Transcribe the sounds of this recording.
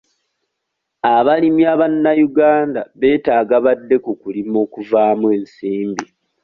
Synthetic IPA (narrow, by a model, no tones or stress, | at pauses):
aβalimjaβanːajuɡaːnda̰βe̞ːtaːɡaβadːe̞kukulimo̞ːkuvaːmwe̞ːnsiːmbi